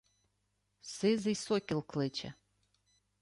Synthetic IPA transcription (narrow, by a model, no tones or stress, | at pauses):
sɪzisɔkʲilˠklˠɪt͡ʃɐ̰